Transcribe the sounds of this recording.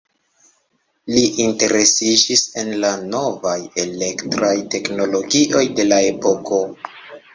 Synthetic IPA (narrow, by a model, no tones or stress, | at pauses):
liʔinte̞ɾe̞sid͡ʒise̞nlano̞vaje̞le̞ktɾajte̞kno̞lo̞ɡiʔo̞jde̞lae̞po̞ko̞